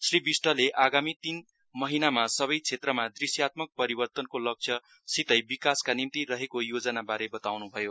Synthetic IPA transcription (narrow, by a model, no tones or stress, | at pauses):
sribisʈʌleʔaɡamit̪in | mʌɦinamasʌβʌjt͡sʰet̪rʌmad̪risjat̪̚mʌk̚pʌɾibʌrt̪ʌnkolʌk̚t͡sʰʌ | sit̪ʌjbikaskanimt̪irʌɦekojod͡zʌnabaɾebʌt̪awnubʱʌjo